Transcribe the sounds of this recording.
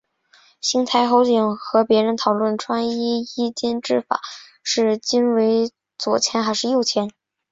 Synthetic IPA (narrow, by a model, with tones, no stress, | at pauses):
ɕi˥ŋt̪ʰa˧˥ɪxo˧˥ʊt͡ɕi˨˩ŋxɤ˧˥pjɛ˧˥ɻə˧˥nt̪ʰɑ˨˩ʊlwə˥˩nʈ͡ʂʰwa˥ŋi˥i˥t͡ɕjɛ˥nʈ͡ʂɻ̩˥˩fa̰˨˩˦ | ʂɻ̩˥˩t͡ɕi˥nwe˧˥ɪ | t͡swɔ˨˩t͡ɕʰjɛ˧˥nxa˧˥ɪʂɻ̩˥˧jo˥˩ʊt͡ɕʰjɛ˧˥n